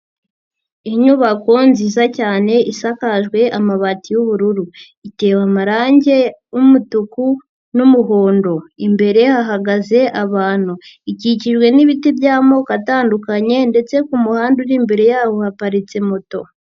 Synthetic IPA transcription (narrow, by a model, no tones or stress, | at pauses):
iɲuβako̞nziːzacaːne̞ʔisakaʒɡwe̞ʔamaβatijuβuɾuɾu | ite̞ːwamaɾaːɲɟe̞umutuku | numuɦo̞ːndo̞imbe̞ɾe̞haɦaɡaze̞ʔaβaːn̥huiciciʒɡwe̞niβitibjaːmo̞kataːndukaɲe̞nde̞t͡se̞kumuhaːnduɾiːmbe̞ɾe̞jaːho̞hapaɾit͡se̞moto̞̰